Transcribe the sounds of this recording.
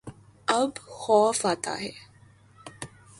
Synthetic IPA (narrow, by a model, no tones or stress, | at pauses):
əbhɔːfaːt̪a̰ɦɛ